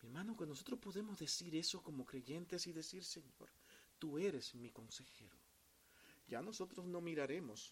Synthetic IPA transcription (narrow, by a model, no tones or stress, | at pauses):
mieɾmanokenos̬o̞t̪ɾo̞spo̞ðe̞mo̞zðe̞siɾe̞so̞ko̞mo̞kɾe̞ʝe̞nt̪e̞siðe̞siɾse̞ɲo̞̰ɾt̪ue̞ɾe̞zmiko̞nse̞xe̞ɾo̰ | ɟ͡ʝano̞so̞t̪ɾo̞sno̞miɾaɾe̞mo̞s